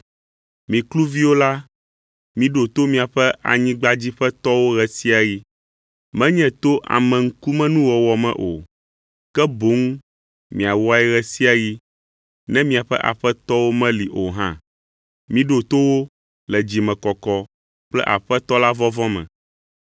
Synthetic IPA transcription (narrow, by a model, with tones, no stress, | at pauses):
mĩ˨klu˦vi˦wo˦la˦ | mĩ˨ɖo˨t̪o˦mĩ˨a˨ɸɛ˦ʔa̰˨ɲĩ˦ɡ͡ba˦d͡ʑi˦ɸɛ˦t̪ɔ˦wo˦ɣɛ˨si˦a˨ɣi˦ | mɛ̃˦ɲɛ̃˨t̪o˦ʔa̰˨mɛ̃˨ŋ̩˦ku˦mɛ̃˦nũ˦wɔ˨wɔ˨mɛ̰̃˦ʔo˨ | kɛ˦bo˨˦ŋ | mĩ˨a˨wɔ˦a˦ɛ˦ɣɛ˦si˦a˨ji˦ | nɛ̃˦mĩ˦a˨ɸɛ̰˦ʔa̰˨ɸɛ˦t̪ɔ˦wo˦mɛ̃˦li˨ʔo˨ɦã̰˦ | mĩ˨ɖo˨t̪o˦wo˦ | lɛ˨d͡ʑi˨mɛ̃˨kɔ˨kɔ˦ | k͡plɛ˦ʔa̰˨ɸɛ˦t̪ɔ˦la˦vɔ˦vɔ̃˦mɛ̰̃˨